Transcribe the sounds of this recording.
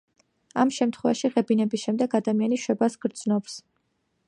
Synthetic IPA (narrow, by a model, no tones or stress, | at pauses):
amʃɛmt̪ʰχwɛva̰ʃiʁɛbinɛbisʃɛmd̪ɛɡad̪amianiʃwɛbasɡɾd̪znɔps